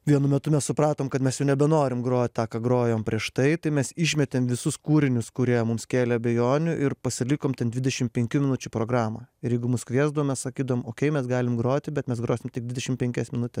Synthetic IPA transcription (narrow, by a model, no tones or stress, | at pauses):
ʋʲiɛnʊmʲɛt̪ʊmʲɛssʊpɾɑːt̪oːmkɐt̪mʲɛsjɛʊnʲɛbʲɛnoːɾʲɪmɡɾoːt̪ʲt̪ɑːkɑːɡɾoːjoːmpʲɾʲiɛʃt̪ɐɪt̪ɐɪmʲɛsɪʃʲmʲɛt̪ʲeːmʋʲɪsʊskuːɾʲɪnʲʊskʊɾʲiɛmʊmskʲeːlʲɛɐbʲɛjoːnʲʊʔɪrpɐsʲɪlʲɪkoːmt̪ʲɛnd̪ʲʋʲɪd̪ʲɛʃʲɪmpʲɛŋʲkʲʊmʲɪnʊt͡ʃʲʊpɾoːɡɾɑːmɑːɪɾjɛɪɡʊmʊskʋʲiɛzd̪oɔmʲɛssɐkʲiːd̪ɐoːmoːkʲɛɪmʲɛsɡɑːlʲɪmɡɾoːt̪ʲɪbʲɛt̪mʲɛsɡɾoːsʲɪmt̪ʲɪɡ̚d̪ʲʋʲɪd̪ʲɛʃʲɪmpʲɛŋʲkʲɛsmʲɪnʊt̪ʲɛs